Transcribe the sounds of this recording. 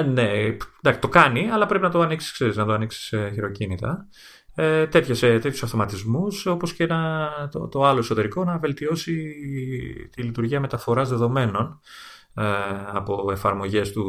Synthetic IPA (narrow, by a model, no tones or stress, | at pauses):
nend̪ɐst̪o̞kɐniɐlɐpɾe̞pinɐt̪o̞ɐniksi̥skse̞ɾiznɐt̪oɐniksi̥seçiɾo̞cinit̪ɐ̰ | et̪e̞t̪çeset̪çju̥sɐfθo̞mɐt̪izmuso̞posceenɐt̪o̰t̪o̞ɐloeso̞t̪e̞ɾiko̞nɐve̞lt̪io̞si | t̪ilit̪uɾʝiɐme̞t̪ɐfo̞ɾɐzðe̞ðo̞me̞no̞n | ɐpo̞e̞fɐɾmo̞ʝe̞st̪u